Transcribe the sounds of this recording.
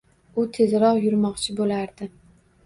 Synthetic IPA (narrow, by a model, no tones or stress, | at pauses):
ʊt̪ʰe̞zɾɒqjʊɾmɒqt͡ʃʰɪbolaɾd̪ɪ